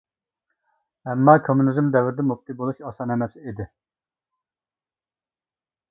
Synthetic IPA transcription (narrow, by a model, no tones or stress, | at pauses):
ɛmːɑːkʰomːunizmd̪ɛvɾd̪ɛmup̚t̪ʰɨbolˠuʃɑsɑnɛmɛsɪid̪ɪ